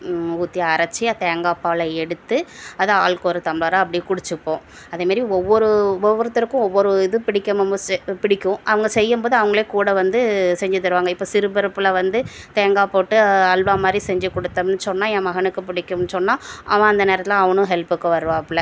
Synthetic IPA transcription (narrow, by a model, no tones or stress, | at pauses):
uːt̪ːɪjɐːɾɐt͡ʃːɪjat̪eːŋɡaːpaːlɐɛɽɯt̪ːɯɐðɯaːɭkoːɾɯt̪ɐmɪɭaːɾaɐp̬ːɐɽɪjeːkʊɽɯt͡ʃːɯpːõː | ɐðeːmaːd̪ɾiɔʋːɔɾɯʋɔʋːɔɾɐt̪ːɪɾɯkːʊ̃ɔʋːɔɾɯɪðɯpɪɽɪkʲːɐmɐmpɪɽɪkʲːʊ̃ʔɐʋɐŋɡɐsɛjːɯmboːðɯɐʋɐŋɡɐɭeːkuːɽɐʋɐnd̪ɯsɛɲd͡ʒɯt̪ːɐɾɯʋaːŋɡɐɪpːoːsɪɾɯbɪɾɐpːɯlɐʋɐnd̪ɯt̪eːŋɡaːpoːʈːɯɐlʋaːmaːd̪ɾisɛɲd͡ʒɯkɔɽɯt̪ːɐmnːɯsɔnːaːɛ̃ːmɐɣɐnɯkːɯpɪɽɪkʲːɯmnːɯsɔnːaːʔɐʋãːɐnd̪ɐneːɾɐt̪ɪlãɐʋɐnʊ̃ɦɛlpɯkːɐʋɐɾɯʋãːɐpːɭɐ